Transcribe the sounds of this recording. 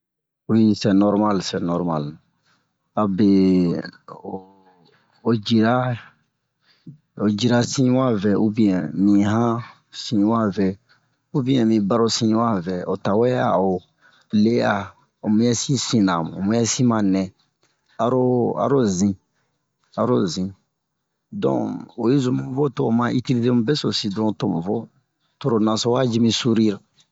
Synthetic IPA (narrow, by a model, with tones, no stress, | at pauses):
u˨˦i˦sɛ˨nɔ˦ɾma˦lsɛ˨nɔ˨ɾma˨l | a˨be˨ | o˨d͡ʒi˨ɾa˦ | o˨d͡ʒi˨ɾa˨sĩ˦wa˦vɛ˨u˦bĩ˨˦ɛ̃˨mĩ˨ɦã˦ | sĩ˦wa˦vɛ˨ | u˦bĩ˦ɛ̃˨mĩ˨ba˦ɾo˦sĩ˦wa˦vɛ˨o˨ta˨wɛ˦a̰˨o˨ | le˦a˨ | o˨mũ˦jɛ˦si˦sĩ˦na˨mũ˨o˨mũ˦ɛ˦si˦mã˨nɛ̃˨ | a˨ɾo˦a̰˨ɾo˦zĩ˦ | a˨ɾo˦zĩ˨ | dɔ̰̃˨o˨je˦zu˨mũ˦vo˦to˨mã˦ʔi˦ti˦li˦te˦mũ˦bɛ˦so˨si˨dɾɔ̃˦to˦˨mũ˨vɔ˦ | to˨ɾo˨nã˨so˦wa˦d͡ʒi˦mĩ˦su˦ɾi˦ɾa˨